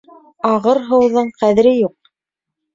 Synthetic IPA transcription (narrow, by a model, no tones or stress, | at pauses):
ɑʁɤɾɦɤ̆wðɤɴqæðɘ̆ɾɘjuq̚